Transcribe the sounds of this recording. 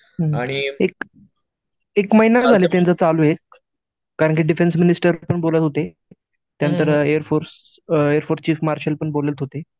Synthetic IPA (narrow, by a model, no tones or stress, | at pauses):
aɽ̃iek̚ | ekməɦinad͡zʱalet̪jãnt͡sət͡saluːek̚ː | aɾəɳkiːɖifensminisʈəɾpəɳbolət̪ɦot̪e | t̪jant̪əɾeəɾfoɾs | eəɾfoɾst͡ɕiːfmaɾɕəlpəɳbolət̪ɦot̪e